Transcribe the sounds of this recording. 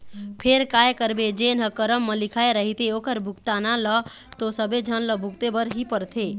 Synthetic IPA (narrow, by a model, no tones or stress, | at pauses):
pʰeɾkajkəɾbed͡ʒenɦəkəɾəmːəlikʰaeɾəɦit̪eokəɾbʱukt̪analə | t̪osəbed͡ʒʱənləbʱukt̪ebəɾɦipəɾt̪ʰe